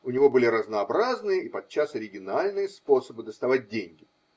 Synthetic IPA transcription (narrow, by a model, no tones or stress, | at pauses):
ʊnʲɪvo̞bɨlʲɪɾəznəːbɾaznɨjəipɐt̪̚t͡ɕːasɐɾʲɪɡʲɪnalʲnɨjəspo̞səbɨd̪əst̪ɐvat̚ʲdʲenʲɡʲɪ